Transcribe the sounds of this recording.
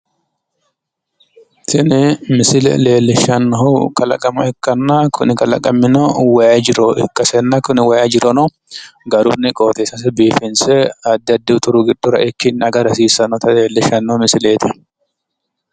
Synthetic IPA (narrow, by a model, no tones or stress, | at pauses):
t̪ʰɪnɪmɪsɪlɛ̰le̞ːlːɪʃːɐnːɔhʊkɐlɐ̰kʼɐmɐɛkːɐnːakʰʊnɪkɐlɐ̰kʼɐmːɪnɔwɐjɐd͡ʒɪɾɔʔɪkːɐsɛnːɐkʊnɪwɐjɐd͡ʒɪɾɔnɔ | ɡɐɾʊnːɪkʼo̞ːt̪eːsɐs̬ɪbiːfɪnsɛɐd̪ːɪɐd̪ːɪʊt̪ʊɾʊɡɪd̪ːʊɾɐ̰ɪkːɪnɐɡɐɾɐsiːsɐnɔt̪ɐleːlːɪʃɐnːɔmɪsɪleːt̪ɪ